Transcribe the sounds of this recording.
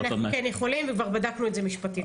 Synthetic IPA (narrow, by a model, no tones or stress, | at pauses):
nanukɛnjeχo̞limvekvaʁbadaknuetzemiʃpati